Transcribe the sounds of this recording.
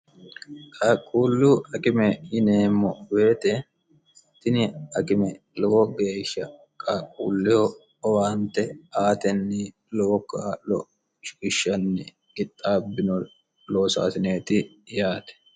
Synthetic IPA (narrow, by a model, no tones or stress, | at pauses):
kʼaːkʼːuːlːuʔɐkɪmɛjɪneːmːɔwe̞ːt̪ɛ | t̪ɪnɪɐkɪmɛ | lɔwɔɡe̞ːʃːɐ | kʼaːkʼuːlːɪhɔ | ɔwaːnt̪ɛaːt̪ɛnːɪ | lokalɔ | ɪʃːɐnːɪ | ɡɪt̪ʼːaːbːɪnɔ | loːsa̰ːsɪneːt̪ɪ | jaːt̪ɛ̥